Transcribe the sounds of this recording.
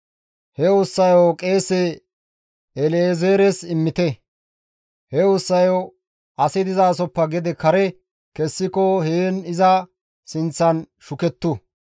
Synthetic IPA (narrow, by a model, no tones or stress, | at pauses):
hɛʊsːɐjokʼe̞ːse | ɛleːzeːɾɛsɪmːɪt̪ɛ | hɛʊsːɐjo | ʔɐsɪd̪ɪzaːsɔpːɐɡɛd̪ɛkɐɾɛ | kɛsːɪkɔheːnɪzɐ | sɪnt͡sːɐn | ʃʊkɛt̪ːʊ